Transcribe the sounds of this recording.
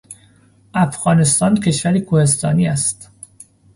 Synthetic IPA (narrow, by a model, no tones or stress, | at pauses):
ʔæfɣ̥ɒːne̞st̪ɒːncʰe̞ʃvæɾikʰohe̞st̪ɒːniːæst̪